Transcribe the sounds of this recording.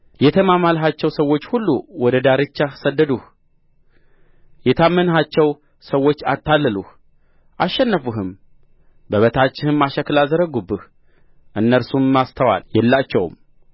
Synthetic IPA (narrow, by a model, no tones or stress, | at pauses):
jɛt̪ʰəmamalɦat͡ʃːɛwsəwːo̞t͡ʃːhulːṵwɔd̪əd̪aɾɨt͡ʃːasəd̪ːəd̪uh | jɛt̪ʰamːənhat͡ʃːɛw | səwːo̞t͡ʃːat̪ʰːalːəluh | ʔaʃːɛnːəfuɦɨm | bəβət̪ʰat͡ʃːɪhɨmːaʃəkɨlazəɾəɡubɨh | ʔɨnːəɾsumːast̪ʰəwa̰ljɛlːat͡ʃːɛw̰m